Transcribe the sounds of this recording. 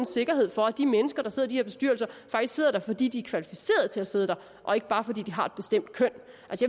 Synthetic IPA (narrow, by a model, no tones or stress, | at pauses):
n̩se̝ɡ̥ɐɦe̝ð̞̰ˠfɒ̽æd̥imenəsɡ̥ɐɾ̥ɑse̝ð̰ˠd̥iheɐb̥e̝sd̥yɐ̰lsɐfɑ̈ɡ̥iske̝ð̰ˠɐɾ̥ɑ̈fɒ̽d̥ḭːd̥iæɐkʰʋælifi̥se̝̰ːɐðˠt͡sʰe̝læse̝ðˠəd̥ɑ̈ | ʔɒ̽e̝ɡ̥əb̥ɑ̈ːfɒ̽d̥ḭːd̥iɦɑ̈e̝d̥b̥e̝sd̥em̰d̥̚kʰœn̰ | ʔælsəja